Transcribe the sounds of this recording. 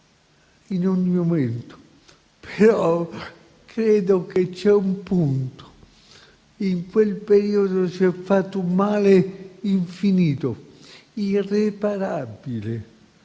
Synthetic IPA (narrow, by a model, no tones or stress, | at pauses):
inoɲːimoment̪o̥ | pʰeɾɔ | kɾɛːd̪oket͡ʃːɛumpunt̪o̥ | iŋkwelpeɾiːod̪osiɛfːat̪ːumaːleiɱfiniːt̪o | irepaɾabile